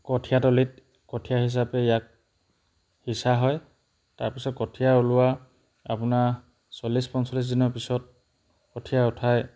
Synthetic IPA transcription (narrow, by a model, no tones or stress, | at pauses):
kɔtʰijatɔlit̚ | kɔtʰijaɦis̬apɛijak̚ | hisaɦɔj | taɹpisɔt̚kɔtʰijaolʊwa | a̰pʊna | sɔlispɔnsɔlis̬dinɔɹpisɔt̚ | kɔtʰijaʊtʰaj